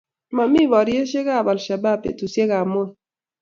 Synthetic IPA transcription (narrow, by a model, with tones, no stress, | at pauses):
ma˨mi˦wɔ˨ɾje˦ʃe˦ɡa˦˨ba˨lʃa˨ba˦˨pḛ˨tu˨sje˦ɡa˨mʊ˦˨